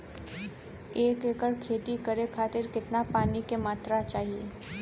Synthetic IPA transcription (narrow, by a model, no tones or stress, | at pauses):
eːkeːkəɽkʰeːt̪ikəɾekʰaːt̪ɪɾkɪt̪napaːnikemaːt̪ɾat͡ʃaːɦieː